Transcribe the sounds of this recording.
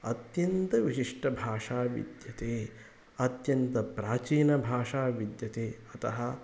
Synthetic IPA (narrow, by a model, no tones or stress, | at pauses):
ɐt̪jɐnt̪ɐʋiʃiʂʈɐbʱaːʂaːʋḭd̪jɐt̪eː | ɐt̪jɐnt̪ɐpɾaːt͡ʃiːnɐbʱaːʂaːʋid̪jɐt̪eːɐt̪ɐɦɐ̆